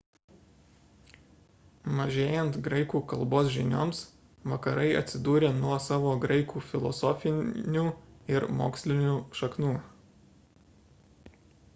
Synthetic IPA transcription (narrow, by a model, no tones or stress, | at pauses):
mɐʒʲeːjɛnt̪ɡɾɐɪkuːkɐlˠboːsʒʲɪnʲoːms | ʋɐkɐɾɐɪɐ̰t̪ʲsʲɪd̪uːɾʲeːnuɔsɑːʋoːɡɾɐɪkʰuːfʲɪlˠɔ̰sɔːfʲɪnnʲuːɪɾmo̰ːksʲlʲɪnʲuːʃɐknuː